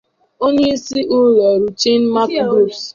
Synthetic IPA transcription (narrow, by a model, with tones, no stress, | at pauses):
o˦ɲe˦i˦si˦ʔʊ˦le˨ɾu˨t͡ʃe˦n̩˦ma˦kbu˦˨s